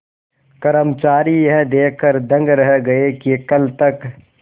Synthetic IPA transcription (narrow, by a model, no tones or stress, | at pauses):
kɐɾəmt͡ʃaːɾijɦɛ̃d̪eːkʰːəɾd̪ɐ̃ŋɡɾɐɦɡɐekikɐlt̪ɐk